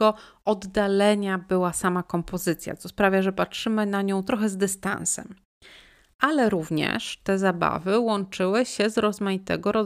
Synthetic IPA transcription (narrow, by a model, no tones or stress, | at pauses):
ɔʔɔd̪ːalɛɲabɘwasamakɔmpɔzɘt̪sʲja̰t̪sɔspɾavʲjaʐɛpatʂɘmɘnaɲɔ̃w̃t̪ɾɔxɛzd̪ɘst̪ã̰nsɛ̰m | ʔalɛɾuvɲɛ̰ʂt̪ɛzaba̰vɘwɔnt͡ʂɘwɘɕɛzɾɔzmajit̪ɛ̰ɡɔɾɔ